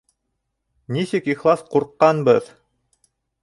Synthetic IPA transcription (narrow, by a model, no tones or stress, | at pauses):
nisɘkiχlˠɑsquɾqːɑnbɤð